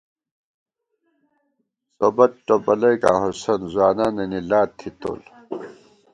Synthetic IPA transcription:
sobɐt̪̚ʈobɐlɐjka̰ːɦosɐnzwaːnaːnɐnilaːt̪ʰːit̪o̰l

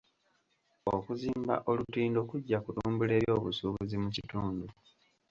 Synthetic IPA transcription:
okuziːmba̰ʔo̞lutiːndo̞kuɟːakutuːmbule̞ːβjo̞ːβusuβuzimucituːndu

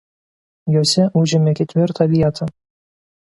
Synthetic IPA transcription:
joːsʲɛʔʊʒʲɪmʲɛkʲɛt̪ʲʋʲɪɾt̪ɑʋʲiɛt̪ʰɐ

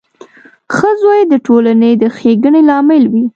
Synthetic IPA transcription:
xəzojed̪əʈolanəjd̪əxeɡəɳelɑmɪlwi

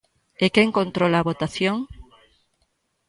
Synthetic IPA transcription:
ekeŋkont̪ɾolaβot̪aθjoŋ

